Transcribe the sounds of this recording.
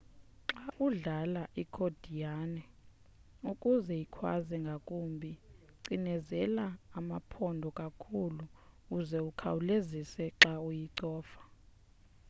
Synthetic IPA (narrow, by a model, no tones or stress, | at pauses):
ǁaʔuɮalaʔikʰod̥ʱijanɛ | ukʼuzɛjikʰwa̰zɛŋɡʱakʼumbʱi | ǀinɛzɛlaːmapʰɔndʱɔkʼakʰulukuzɛukʰawulezisɛǁaujiǀɔːfḁ